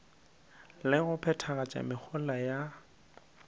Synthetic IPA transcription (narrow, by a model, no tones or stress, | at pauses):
lɪɣʊpʰɛtʰaɣat͡ʃʼa̰mɪk͡xʰʊlaja